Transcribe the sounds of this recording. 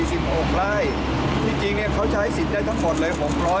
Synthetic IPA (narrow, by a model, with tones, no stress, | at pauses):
iː˧˩si˨˩p̚ʔo˨˧ŋlaː˦˥˩j | t̪ʰiː˧˥˩t͡ɕi˧ŋni˥˩ɐkʰa˦˥wt͡ɕʰa˦˥jsi˨˩daː˥˩jt̪ʰa˦˥ŋmo˨˩t̪̚lɤː˧jkʰɔː˩˦ŋpʰlɔː˦˥